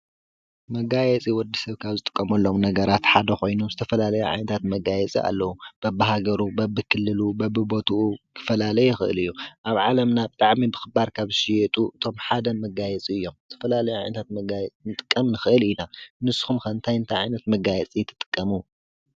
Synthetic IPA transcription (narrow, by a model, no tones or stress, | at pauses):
mɐɡajɛt͡sʼiwɔd̪ːisɐβkʰaβzɨt̪ʼɨkʼːɐmɐlːo̞mnɐɡɐɾat̪ħad̪ɐxo̞jnuzɨt̪ʰɐfɐlalɐjuʕa̰jnɐt̪ʰat̪mɐɡajɛt͡sʼḭʔa̰lːɐwub̥ɐbːɨɦaɡɐɾubɐbːɨkʰɨlːɨlubɐbɨbot̪ʰuukʰɨ̥fɐlalɐjɛɪxɨ̰ʔɨ̰lɨjːuʔaβʕalɐmnabɨt̪ʼaʕmibɨxɨbaɾkʰaβʃijɛt̪ʼuʔɨt̪ʰo̞mħad̪ɐmɐɡajɛt͡sʼiɨjːo̞mzɨt̪ʰɐfɐlalɐjuʕa̰jnɐt̪ʰat̪mɐɡajɛt͡sʼnɨt̪ʼɨ̥kʼːɐmnɨxɨʔɨlinanɨsːɨ̥xumxɐɨnt̪ʰajɨnt̪ʰajʕajnɐt̪mɐɡajɛt͡sʼit̪ʰːɨ̥t̪ʼɨ̥kʼːɐmu